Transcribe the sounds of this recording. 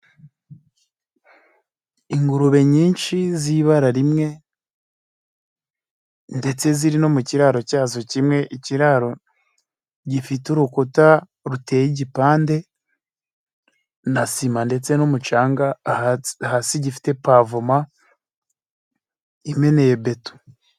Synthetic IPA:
iŋɡuɾuβe̞ɲiːnʃiziβaɾaɾimŋe̞ | nde̞t͡se̞ziɾino̞muciɾaɾo̞caːzo̞cimŋe̞ʔiciɾaɾo̞ | ɟifituɾukuta | ɾute̞jiɟipaːnde̞ | nasimande̞t͡se̞numut͡ʃaːŋɡa | hasiɟifi̥te̞pavuma | ime̞ne̞jebe̞tu̥

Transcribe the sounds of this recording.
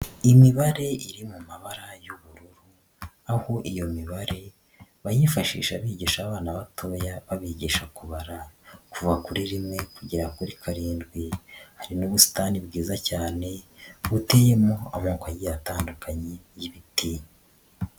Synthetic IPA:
imiβaɾe̞iɾimumaβaɾajuβuɾuɾu | aho̞ʔijo̞miβaɾe̞ | βajifaʃḭːʃaβiːɟiʃaβaːnaβatʰo̞ːjaβaβiɟiʃakuβaɾakuvuakuɾiɾimŋe̞kuɟiɾakuɾikʰaɾiːndɡwihaɾinuβusi̥taːnibɡiːzacaːne̞βutejemoa̰moːkajijataːndukaɲe | jiβitiɲa

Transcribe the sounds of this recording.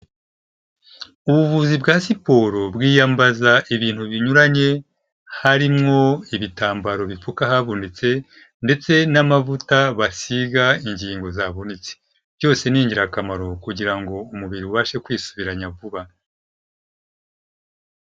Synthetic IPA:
uβuvuzibɡaːsipo̞ːɾo̞bɡiːjambazaʔiβiːn̥huβiɲuɾaɲe̞ | haɾimŋo̞iβitaːmbaɾo̞βifukahaβundet͡se̞ | nde̞t͡se̞namavutaβasiɡaiɲɟiːŋɡo̞zaβunit͡se̥ | vɟo̞ːse̞niːɲɟiɾakamaɾo̞kuɟiɾaŋɡo̞umuβiɾiuβaʃe̞kwiːsu̥βiɾaɲavuβa

